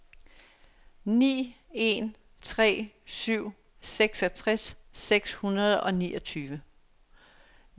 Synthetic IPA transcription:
nḭːe̝n | t͡sʰʁɛ̰ː | syʊ̰ | seɡ̥sɒt͡sʰʁasːeɡ̥shunɐð̞ˠɒ̽nḭːʔɒt͡sʰyːʋə

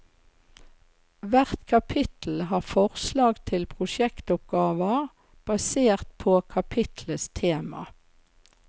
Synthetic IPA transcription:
ʋæʁt̪kʰɑpʰɪt̪l̩ɦɑːfɔʁslɑːɡt̪ʰɪlpʰʁʊʃɛkt̪ʊp̚ɡɑːʋəʁ | b̥ɑseːʁt̪̚pʰoːkʰɑpʰɪt̪ʰləst̪ʰeːmɑ̰

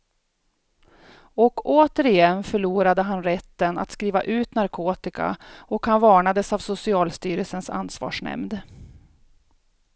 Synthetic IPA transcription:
ɔkoːt̪əɾɪjɛnːfœɭuːɾad̪əɦanɾɛt̪ːəna̰t̪skɾiːva̰ʔʉ̟ːt̪naɾkʰoːt̪ɪka̰ɔkhanvɑːɳad̪əsavsʊsɪɑːlst̪yːɾəlsənsa̰nːsvɑ̰ːʂɳɛ̰md̪

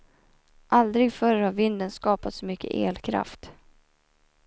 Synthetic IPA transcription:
ʔald̪ɾɪɡfœɾhaɾvɪnd̪ənskɑːpat̪sɔmʏkʰːə̰ʔḛːlkʰɾa̰ft̪

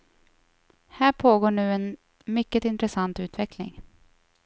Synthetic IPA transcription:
hæːɾpʰoːɡoːɳʉ̟ːɛn | mʏkːət̪ɪnt̪ɾɛsant̪ʉ̟ːt̪vɛklɪ̰ŋ

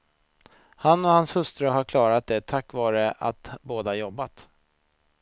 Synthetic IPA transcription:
hanːɔhanshɵst̪ɾaɦaɾkʰlɑːɾat̪̚d̪ɛt̪ʰakːvɑːɾəa̰t̪boːd̪əajɔbːat̪

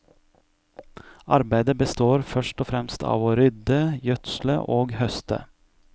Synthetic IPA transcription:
ɑɾbæɪd̪əbəst̪oːɾfœʂʈɔfɾɛmst̪ʰɑ̰ːʋoɾʏd̪əjœt̪slə̰ʔoːɡhœst̪ə̰

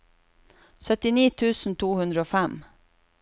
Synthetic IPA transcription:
sœt̪ɪniːt̪ʰʉːsn̩t̪ʰuːhʉnd̪ɾəoːfɛm

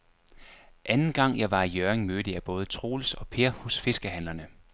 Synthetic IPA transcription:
ʔænn̩ɡ̥ɑ̈ŋ̰jɑ̈ɪʋɑ̈ijøɐeŋmød̥əjɑb̥ɔ̽ːð̞ˠət͡sʰʁo̝̰ːlsɒ̽pʰe̝ɐhɔ̽sfe̝sɡ̥əɦæn̰lɐnə

